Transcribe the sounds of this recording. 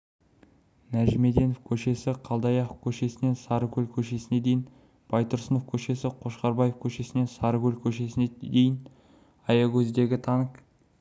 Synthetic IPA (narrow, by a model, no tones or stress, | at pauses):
næʒɪme̞d̪e̞nofkʲʰɵʃe̞sɪqʰɑlˠd̪ɑjɑχkʲʰɵʃe̞sɪne̞nsɑɾəkʲɵlkʲʰɵʃe̞sɪne̞d̪e̞jɪn | b̥ɑjt̪ʰʊɾsənofkʲʰɵʃe̞sɪqʰo̞ʃqɑɾbɑjefkʲʰɵʃe̞sɪne̞nsɑɾəkʲɵlkʲʰɵʃe̞sɪned̪e̞jɪn | ɑjɑɡʲɵzd̪e̞ɡʲɪt̪ʰɑnəq